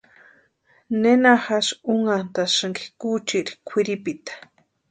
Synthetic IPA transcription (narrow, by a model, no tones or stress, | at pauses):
nenaxaʃuŋant̪aʃɨŋɡi̥kut͡ʃiɾi̥kʷʰiɾipit̪ḁ